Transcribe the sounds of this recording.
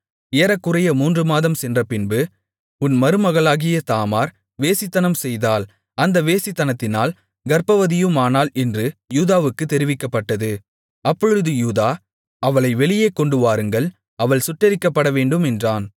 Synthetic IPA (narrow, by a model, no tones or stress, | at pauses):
eːɾɐkːɯrɐjɐmuːndrɯmaːðɐmsɛndrɐpɪnbɯ | ʊnmɐɾɯmɐɣɐɭaːɣɪjɐt̪aːmaːɾ | ʋeːsɪt̪ːɐnɐmsɛjðaːl | ɐnd̪ɐʋeːsɪt̪ːɐnɐt̪ːɪnaːl | ɡɐɾpɐʋɐðɪjɯmaːnaːlɛndrɯjuːðaːʋɯkːɯt̪ːɛɾɪʋɪkːɐpːɐʈːɐðɯ | ɐpːɔɻɯðɯjuːðaː | ɐʋɐɭɐɪʋɛɭɪjeːkɔɳɖɯʋaːɾɯŋɡɐɭ | ɐʋɐɭsʊʈːɐɾɪkːɐpːɐɽɐʋeːɳɖɯmɛndraːn